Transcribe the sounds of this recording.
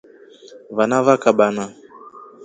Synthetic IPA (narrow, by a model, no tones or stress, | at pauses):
vanavakaɓana